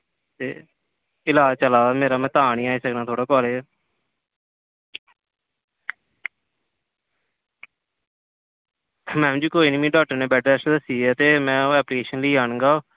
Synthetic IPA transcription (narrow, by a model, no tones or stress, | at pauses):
t̪ḛː | ɪlaːt͡ʃəlaːmeːɾaːmɛ̃ːt̪aːnĩːaːiːsəknãːt̪ʰoːɽaːkɔːleː | mɛ̃ːd͡ʒiːkoːiːnmĩːɖɔːk̚ʈəɾneːbɛːʈɾɛːsʈd̪əsiːɛːt̪eːmɛ̃ːɛːplikeːʃənləiːaːnə̃ɡaː